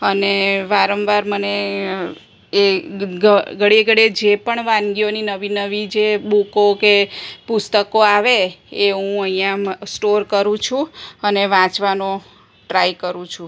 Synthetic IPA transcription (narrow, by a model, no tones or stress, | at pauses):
əneʋaɾəmʋaɾməne | eɡəɡəɽiɡəɽed͡ʒepəɳʋãnɡioninəʋinəʋid͡ʒeɓukokepust̪əkoaʋeːɦũəijãsʈoɾkəɾũt͡ʃʰũəneʋãt͡ʃʋanõ | ʈɾajkəɾũt͡ʃʰũ